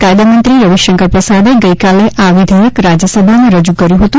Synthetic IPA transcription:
kajd̪amənt̪ɾiɾəʋiʃəŋkəɾpɾəsad̪eɡəikaleʔaʋid̪ʱəjəkɾad͡ʒjəsəbʱanẽɾəd͡ʒukəɾjũɦət̪ũ

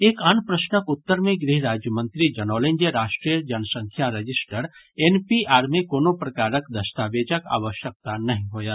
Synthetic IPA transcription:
eːkanpɾəsnəkʊt̪ːəɾmẽɡɾɪɦɾaːd͡ʒjəmə̃nt̪ɾid͡ʒɐnɔːlẽnd͡ʒeɾaːʃʈɾijəd͡ʒɐnsə̃ŋkʰjaɾɐd͡ʒɪsʈəɾ | eːnpiaːɾmẽkoːnõpɾɐkaːɾəkd̪ɐst̪aːʋeːd͡ʒəka̰ːʋəʃjək̚t̪anɐɦĩɦojaː

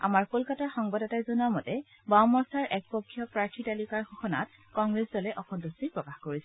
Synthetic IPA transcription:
a̰maɹkolkataɹxɔŋbɔdɔtajzonuamɔtɛ | bawmɔɹsaɹʔɛk̚pɔkʰːjɔpɹaɹtʰitalikaɹxɔxɔna̰t̚ | kɔŋɡɹesdɔlɛʔɔxɔntustipɹɔkaxkoɹisɛ

